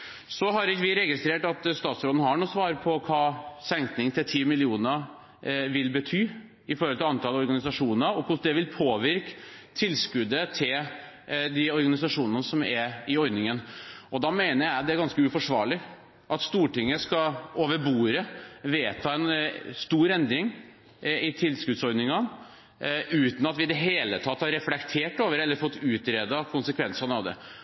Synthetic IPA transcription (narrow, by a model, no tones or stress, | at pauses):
sɔɦɑɾɪkːəʋɪɾɛɡɪst̪ɾeːʈɑt̪st̪ɑːt̪sɾoːd̪nəhɑɳuːsʋɑːɾəpʰɔkʰɑːsɛŋt̪nɪŋt̪ʰɪlt̪ʰiːmɪlɪuːnə | ʋɪlbət̪ʰyː | ɪfɔɾhɔlt̪ʰɪlɑnt̪ʰɑlɔɾɡɑnɪsɑʂuːnəɔkʰʊʂd̪ɛʋɪlpʰoːʋɪɾkt̪ʰɪlːskʉd̪ət̪ʰɪl | d̪ɪɔɾɡɑnɪsɑʂuːnənəsɔmæɾɪɔɾnɪŋənɔd̪ɑmeɪnəɾjæɪd̪ɛæɾɡɑnskəʉfɔʂʋɑ̰ːɭɪ | ʔɑt̪st̪uːʈɪŋːəskɑoːʋəbuːɾəʋeːt̪ʰɑːɛnst̪uːɾɛnd̪ɾɪŋ | ɪt̪ʰɪlskʉd̪sɔɾnɪŋɑ | ʉːt̪n̩ɑt̪ʋɪɪd̪ɛɦeːlət̪ʰɑt̪ːhɑɾɛflɛkt̪ʰeːʈoːʋəɾɛlːəɾfɔt̪ːʉːt̪ɾeːd̪ɑkʰʊnsəkʰʋɛnsənɑʋd̪ɛ̰